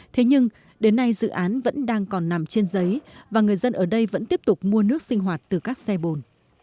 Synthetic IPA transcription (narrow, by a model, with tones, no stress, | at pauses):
t̪ʰe˨˦ɲɨ˧ŋ | ɗe˨˦nːa˧jzɨ̰˧˨ʔaː˨˦nvə̰˧˥nɗaː˧ŋkɔ˨˩nːa˨˩mt͡ɕe˧nzə˨˦jvaː˨˩ŋɨ˨˩əjzə˧nʔəː˧˩ɗə˧jvə̰˧˥nt̪i˦˥əp̚t̪ʊ˨˩k͡p̚mu˧ənɨ˦˥ək̚sï˧ŋ̟ɦwaː˨˩t̚t̪ɨ˨˩kaː˦˥k̚sɛ˧ɓo˨˩n